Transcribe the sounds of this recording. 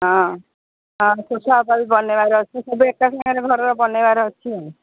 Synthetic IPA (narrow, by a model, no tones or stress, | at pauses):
ɦɔ̃ | ɦɔ̃sosɔapabibɔnebaɾɔt͡ʃʰisɔbuek̚ʈasɔŋɔɾeɡʱɔɾɔɾɔbɔnebaɾɔt͡ʃʰĩ